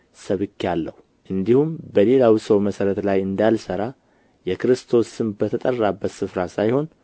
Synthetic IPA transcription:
səβɨkːalːəhu | ʔɨnd̪ihumbəle̞lawisəwməsəɾət̪lajɨnd̪alsəɾa | jɛkɾɨst̪ʰo̞sɨmbət̪ʰət̪ʼərːabːət̪sɨfɾasajho̞n

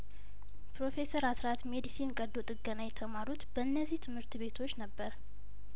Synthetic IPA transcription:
pɾo̞fe̞səɾasɾat̪me̞d̪isinkʼəd̪ot̪ʼɨɡːənajɛt̪ʰəmaɾut̪b̥əɨnːəzːiht̪ʰɨmhɨɾt̪be̞t̪ʰo̞t͡ʃːnəbːəɾ

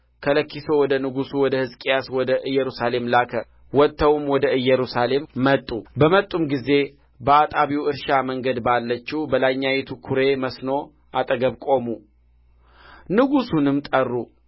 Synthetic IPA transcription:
kʰələkːiso̞wɔd̪ənɨɡusuwɔd̪əhɨzkʼijaswɔd̪əʔɨjːɛɾusale̞mlakʰə | wɔt̪ʰːəwmwɔd̪əɨjːɛɾusale̞mːət̪ʼːubəmət̪ʼːumɡize̞ | bəat̪ʼaβiwɨɾʃaməŋɡəd̪balːət͡ʃːibəlaɲːajet̪ʰukʰuɾe̞məsno̞ | at̪ʼəɡəβkʼo̞mu | nɨɡusunɨmt̪ʼərːu

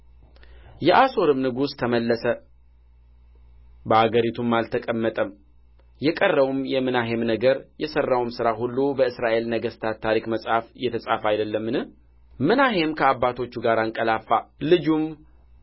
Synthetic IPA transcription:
jɛʔaso̞ɾɨmnɨɡust̪ʰəməlːəsə | bəhaɡəɾit̪ʰumːalt̪ʰəkʼəmːət̪ʼəm | jɛkʼərːəwumjɛmɨnaɦe̞mnəɡəɾjɛsərːawmsɨɾaɦulːubəɨsɾaʔe̞lnəɡəst̪ʰat̪t̪ʰːaɾikməsʼhafjɛt̪ʰəsʼafajd̪əlːəmːɨnɨh | mɨnaɦe̞mkʰəabːat̪ʰo̞t͡ʃːuɡaɾaŋkʼəlafːalɨd͡ʒum

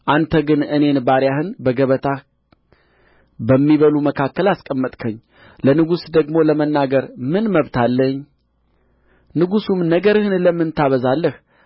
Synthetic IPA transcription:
ʔant̪ʰəɡɨnɨne̞nbaɾjahɨnbəɡəβət̪ʰa | bəmːiβəluməkʰakːəlaskʼəmːət̪ʼkʰəɲː | lənɨɡusd̪əɡmo̞ləmənːaɡəɾmɨnməβt̪ʰalːəɲː | nɨɡusumnəɡəɾɨhɨnləmːɨnt̪ʰaβəzalːəh

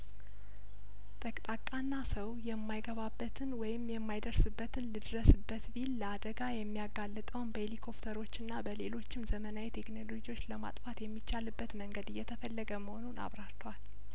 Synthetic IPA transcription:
t̪ʼəkʼt̪ʼakʼːanːasəwjɛmːajɡəβabːət̪ʰɨnwɔjɪmːjɛmːajd̪əɾsɨbːət̪ʰɨnlɨd̪ɾəsɨbːət̪bilːəad̪əɡajɛmːijaɡalːɨt̪ʼəwnbəelikʰo̞pt̪ʰəɾo̞t͡ʃːɨnːabəle̞lo̞t͡ʃːɪmzəmənajet̪ʰe̞knolo̞d͡ʒiwo̞t͡ʃːləma̰t̪ʼfat̪jɛmːit͡ʃːalɨbːət̪məŋɡəd̪ɨjːɛt̪ʰəfəlːəɡəməho̞nuna̰βɾaɾt̪ʰwal

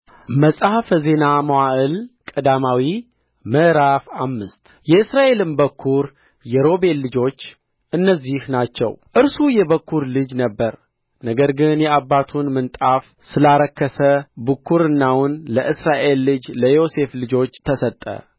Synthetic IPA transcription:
məsʼafze̞namawaʔɨlkʼəd̪amawi | mɨɾafamːɨst̪ʼ | jɛɨsɾaʔe̞lɨnbəkʰːuɾ | jɛɾo̞be̞lːɨd͡ʒo̞t͡ʃː | ʔɨnːəzːihnat͡ʃːɛ̰wʔɨɾsujɛβəkːuɾlɨd͡ʒnəbːəɾ | nəɡəɾɡɨnjɛabːat̪ʰunmɨnt̪ʼaf | sɨlaɾəkːəsəbɨkːuɾɨnːawʊnləʔɨsɾaʔe̞lːɨd͡ʒləjo̞se̞flɨd͡ʒo̞t͡ʃːt̪ʰəsət̪ʼːə̰

